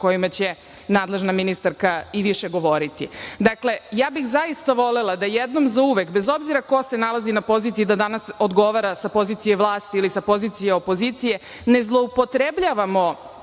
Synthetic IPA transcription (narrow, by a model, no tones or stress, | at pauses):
ko̞jimat͡ɕe̞ | naːd̪lˠe̞ʒnaminist̪aɾkaiʋiʃeɡo̞ʋo̞ɾit̪ḭd̪akle̞jaːbixzajist̪aʋo̞lelˠad̪ajed̪no̞mzauʋe̞kbezo̞bziɾako̞se̞nalˠazinapo̞ziːt̪sijid̪ad̪anaso̞d̪ɡo̞ʋaɾasapo̞ziːt̪sijeʋlˠaːst̪iilisapo̞ziːt̪sijeopo̞zit̪sije̞ | ne̞zlˠo̞upo̞t̪ɾebʎaːʋamo̞